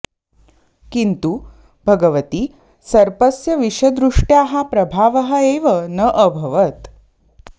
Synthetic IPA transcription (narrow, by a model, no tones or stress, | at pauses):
kint̪uː | bʱəɡəʋət̪iː | səɾpəsjəʋiʂəd̪ɾuʂʈjaɦapɾəbʱaʋəɦəeʋənəʔəbʱəʋət̪